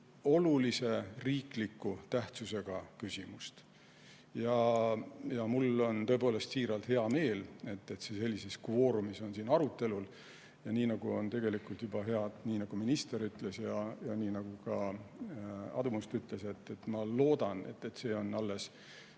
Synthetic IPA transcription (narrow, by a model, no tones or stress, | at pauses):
o̞lulise̞riːklikːut̪æht̪suse̞ɡ̥ɑkysʲimust̪ | jɑ | jɑmulːo̞nt̪o̞e̞po̞ːle̞st̪siːɾɑlt̪he̞ɑme̞ːle̞t̪ːet̪se̞se̞lʲːise̞skvo̞ːɾumiso̞nsiːnɑɾut̪ːˑe̞lul | jɑniːnɑɡ̥uo̞nt̪e̞ɡe̞likult̪jubɑɦe̞ɑd̪̥niːnɑɡ̥uminist̪e̞ɾyt̪le̞sjɑjɑniːnɑɡ̥ukɑ | ɑ̰d̪umust̪yt̪ˑle̞se̞t̪ːet̪ːmɑlo̞ːd̪̥ɑne̞̰t̪ːe̞t̪se̞ːo̞nɑlːe̞s